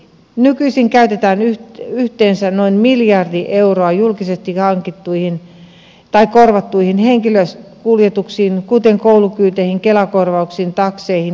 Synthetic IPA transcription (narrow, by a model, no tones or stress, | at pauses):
nykyisiŋkæyt̪et̪æːnyyht̪eːnsænoinmiljɑrdiʔeuroɑjulkisest̪ihɑŋkit̪ːuihin | t̪ɑikorʋɑt̪ːuihinheŋkiløskuljet̪uksiːnkut̪eŋkoulukyːt̪eihiŋkelɑkorʋɑuksiːnt̪ɑkseihin